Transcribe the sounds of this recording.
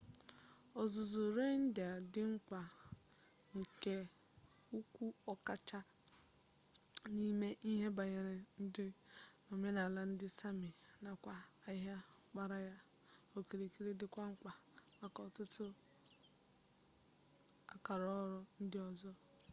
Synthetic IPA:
ɔ˨zʊ˨zu˨ɾe˦n̩˦dɪ˨a˨dɪ˦ŋ͡m̩˦ka˨ | ŋ̩˨ke˦ | u˦kʷu˦ɔ˦ka˦t͡ʃa˦ | ni˦me˦ʔi˦ɦe˦ba˨ɲe˨ɾɪ˨n̩˦dɪ˦no˨me˦na˨la˦n̩˦dɪ˦sa˦mi˨na˨kʷa˨a˦ɦa˦ | k͡pa˦ɾa˦ja˦ | o˨ke˨ɾe˨ki˦ɾe˦dɪ˦kʷa˦ŋ͡m̩˦k͡pa˨ | a˦kɔ˨tʊ˦tʊ˦ | a˨ka˨ɾɔ˦ɾɔ˦n̩˦dɪ˦ɔ˨zɔ˦

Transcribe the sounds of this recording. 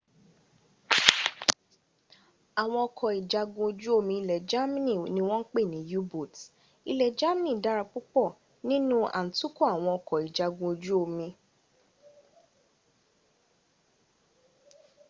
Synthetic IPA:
a˨w̃ɔ̃˧ɔ˧kʰɔ˨i˨d͡ʒa˨˧ɡũ˧o˧d͡ʒu˦o˧mĩ˧i˧lɛ˨d͡ʒa˦mĩ˦nĩ˦˨nĩ˧˦w̃ɔ̃˦n̩˦k͡pe˦˨nĩ˨˦ju˦bo˦˨t | i˧lɛ˨d͡ʒa˦mĩ˦nĩ˦˨da˦ɾa˧k͡pu˦k͡pɔ˦˨ | nĩ˦nũ˦a̰˨n̩˨tu˦ko˦˨a˨w̃ɔ̃˧ɔ˧kʰɔ˨i˨d͡ʒa˨ɡũ˧o˧d͡ʒu˦o˧mĩ˧

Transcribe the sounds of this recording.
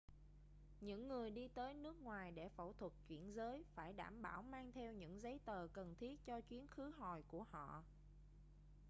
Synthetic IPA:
ɲɨ̰˧˥ŋːɨ˨˩əjɗi˧t̪əː˨˦jnɨ˦˥ək̚ŋwaː˨˩jɗe˧˩fə̰˧˩t̪ʰwə˨˩t̚t͡ɕwḭ˧˩ənzəː˨˦jfaː˧˩jɗa̰ː˧˩mɓaː˧˩wmaː˧ŋt̪ʰɛ˧wɲɨ̰˧˥ŋzə˨˦jt̪əː˨˩kə˨˩nt̪ʰi˦˥ət̚t͡ɕɔ˧t͡ɕwi˨˦ənxɨ˨˦ɦɔ˨˩jku˧˩əhɔ̰˧˨

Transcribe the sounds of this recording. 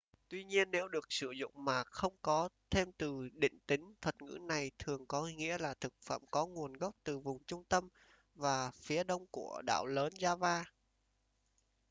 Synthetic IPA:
t̪wi˧ɲi˧ənːe˨˦wɗɨ˨˩ək̚sɨ˧˩zʊ̰˧˨ŋ͡mmaː˨˩xə˧wŋ͡mkɔ˨˦t̪ʰe˧mt̪ɨ˨˩ɗḭ̈˧˨ŋ̟t̪ï˨˦ŋ̟t̪ʰə˨˩t̚ŋɨ̰˧˥na˨˩jt̪ʰɨ˨˩əŋkɔ˨˦ŋḭ˧˥əlaː˨˩t̪ʰɨ˨˩k̚fə̰ː˧˩˨mkɔ˨˦ŋu˨˩ənɣə˦˥k͡p̚t̪ɨ˨˩vʊ˨˩ŋ͡mt͡ɕʊ˧ŋ͡mt̪ə˧m | vaː˨˩fi˨˦əɗə˧wŋ͡mku˧˩əɗa̰ː˧˨wləː˨˦nzaː˧vaː˧

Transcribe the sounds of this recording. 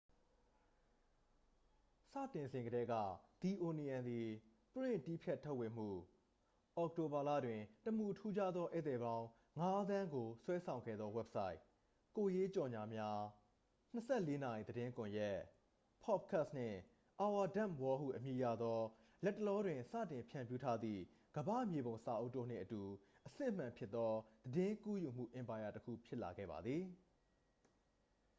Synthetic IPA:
sä̰˦˨tɪ̃˨nzɪ̃˨ŋɡəɾɛ˨˦ɡä̰˦˨d̪̥i˨ʔo˨ni˨ã˨nd̪i˨ | pɹɪ̰̃˦˨ti˦˨pʰjɛ˦tʰːo˦˨wɪ̃˨m̥ṵ˦˨ | ʔɔ˨k̚to˨ba˨la̰˦˨dwɪ̃˨təm̥u˨tʰu˦d͡ʑa˦d̪ðɔ˦ʔe˦t̪ɛ˨bã˦ʊ̃ | ŋa˦d̪ã˦ŋɡo˨swɛ˦sʰã˨ʊ̃ŋɡɛ̰˦˨d̪ðɔ˦wɛ˦p̚sa˦ɪʔ | ko˨je˦t͡ɕɔ˨ɲa˨mja˦ | n̥əsɛ˦˨le˦na˨ji˨d̪əɾɪ̃˦ŋkʊ̃˨jɛ˦˨ʔ | pʰɔ˦˨p̚kʰa˦ʔsn̥ɪ̰̃˦˨ | ʔa˨wa˨dã˦˨mwɔ˦hṵ˦˨ʔəmji˨ja̰˦˨d̪ɔ˦ | lɛ˦tːə˨lɔ˦dwɪ̃˨sä̰˦˨tɪ̃˨mpʰjã˨mpju˦tʰa˦d̪ðḭ˦˨ | ɡ̥əbä̰˦˨mje˨bõ˨ʊ̃sa˨ʔo˦tːo̰˦˨n̥ɪ̰̃˦˨ʔətu˨ | ʔəsɪ̰̃˦˨əm̥ã˨mpʰjɪ˦t̪ːɔ˦d̪̥ədɪ̃˦ku˦ju˨m̥ṵ˦˨ʔɪ̃˨mpa˨ja˨təkʰṵ˦˨pʰjɪ˦ʔla̰˨ɡɛ̰˦˨ba̰˨d̪ði˨

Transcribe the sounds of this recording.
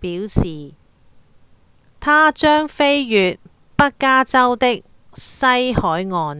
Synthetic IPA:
piː˨˥wsiː˨˩ | t̪ʰaː˥t͡ʃœː˥ŋfe˥jjyː˨t̚ | pɐ˥t̚kaː˥t͡sɐ˥wt̪ɪ˥k̚ | sɐ˥jhɔː˨˥jŋɔː˨˧n

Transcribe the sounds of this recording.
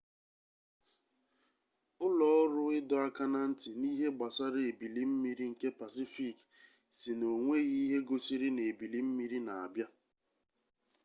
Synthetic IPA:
ʊ˦lɔ˦ɔ˦ɾʊ˦ɪ˦dɔ˨˦a˦ka˦na˦n̩˦tɪ˨ni˦ɦe˦ɡ͡ba˨sa˦ɾe˨e˨bi˨li˦m̩˦mi˦ɾi˦ŋ̩˨ke˦pa˨si˦fi˦˨k | si˨no˨ŋʷe˦ɣi˦ɦe˦ɡo˦si˦ɾi˦ne˨bi˨li˦m̩˦mi˦ɾi˦na˨a̰˨bja˦

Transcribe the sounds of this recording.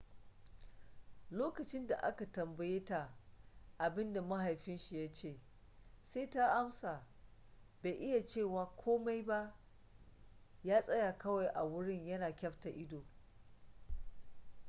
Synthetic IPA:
loː˦kɐ˨t͡ʃɪ˦nda˨ʔa̰˦ka˨tɐ˨mbɐ˨je˦ta˨ʔa˨bɪ˦nda˨mɐ˦ɦa˨jɸɪ˦nʃi˨ja˦t͡ʃeː˦˨ | seː˦ta˦ʔa˦msaː˨ | be˨jʔɪ˦ja˨t͡ʃeː˦˨waː˨kʷʰoː˦ma˦jba˦ʔ | jaː˦sʼɐ˦ja˨kɐ˦wa˨jʔa˨wʊ˦ɽɪ˦ɲjɐ˦naː˨kʲɐ˦ɸta˨ʔɪ˦doː˨

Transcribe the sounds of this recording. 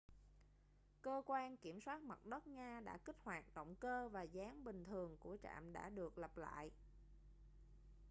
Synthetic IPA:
kəː˧kwaː˧nki˧˩əmswaː˦˥t̚mə˨˩t̚ɗə˦˥t̚ŋɲaː˧ɗa̰ː˧˥kï˦˥k̟̚hwaː˨˩t̚ɗə̰˧˨wŋ͡mkəː˧vaː˨˩zaː˨˦ŋɓï˨˩ŋ̟t̪ʰɨ˨˩əŋku˧˩ət͡ɕa̰ː˧˨mɗa̰ː˧˥ɗɨ˨˩ək̚lə˨˩p̚la̰ː˧˨j

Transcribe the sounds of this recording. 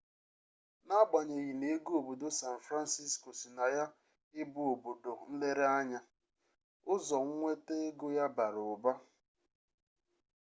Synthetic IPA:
na˦ɡ͡ba˨ɲe˨ɣi˨ne˨˦ɡo˨bo˨do˦sa˨n̩˨fɾa˦n˦si˦sko˨si˨na˨ja˦ | ɪ˦bʊ˦o˨bo˨do˨n̩˦le˦ɾe˦a˦ɲa˦ | ʊ˦zɔ˨ŋ̩˦ŋʷe˦te˦e˦ɡo˦ja˦ba˨ɾʊ˨ʊ˨ba˦

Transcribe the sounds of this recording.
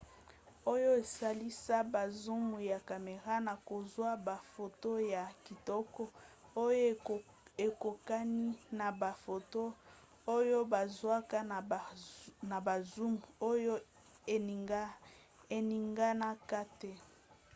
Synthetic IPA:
o˦jo˦e˨sa˦li˦sa˦ba˨zu˦mu˨ja˨ka˨me˨ʁa˦na˨ko˨zwa˦ba˨fo˨to˦ja˨ki˨tɔ˦kɔ˦o˦jo˦ | e˨ko˨ka˦ni˦na˨ba˨fo˨to˦ | o˦jo˦ba˨zwa˦ka˦n˨na˨ba˨zu˦mu˨o˦jo˦ | e˨˦ | e˨ni˨ŋɡa˦na˦ka˦te˦

